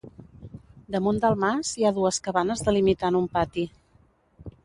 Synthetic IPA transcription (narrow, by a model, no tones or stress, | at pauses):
d̪əmund̪əlˠmaziaðuəskəβanəzðəlimit̪anumpat̪i